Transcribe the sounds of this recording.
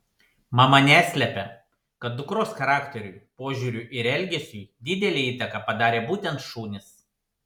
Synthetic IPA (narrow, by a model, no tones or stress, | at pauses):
mɐmɐnʲæːsʲlʲɛpʲɛ | kɐt̪̚d̪ʊkɾoːsxɐɾɑːkt̪ʲɛɾʲʊjpoːʒʲuːɾʲʊˑʔɪɾɛlʲɡʲɛsʲuːd̪ʲɪd̪ʲɛlʲeːiːt̪ɐkɑpɐd̪ɑːɾʲeːbuːt̪ʲɛnt̪ʃuːnʲɪs